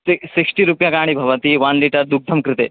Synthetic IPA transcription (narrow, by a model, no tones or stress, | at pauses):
seseksʈiɾupjakaɽ̃iːbʱɐʋət̪iːʋanliʈəɾd̪uk̚d̪ʱəmkɾɪt̪e